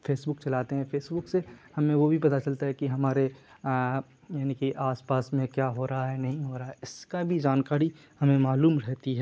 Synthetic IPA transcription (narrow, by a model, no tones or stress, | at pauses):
fʰeːsbʊk̚t͡ʃɐlaːt̪eɦɛ̃fʰeːsbʊksehɐmẽʋobʱipɐt̪at͡ʃɐlt̪aɦɛkiɦɐmaːɾe | jaːnikiʔaːspaːsmẽkjaːɦoːɾaɦaɦɛnɐɦĩɦoːɾaaɦɛɪskabʱid͡ʒaːnkaːɾi | hɐmẽmaːluːmɾɛɦt̪iɦɛː